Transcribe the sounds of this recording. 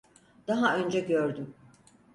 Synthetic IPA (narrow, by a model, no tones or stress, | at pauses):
d̪̥aɦaø̞nd͡ʒɛɟø̞ɾd̪ym